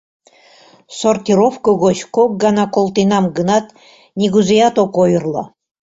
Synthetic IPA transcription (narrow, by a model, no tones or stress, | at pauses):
sort̪ʲiɾofkoɡot͡ɕkok̚ɡɑnɑkolˠt̪inɑmɡənɑt̪ | nʲiɡuzejɑt̪okojɤrlˠɑ̰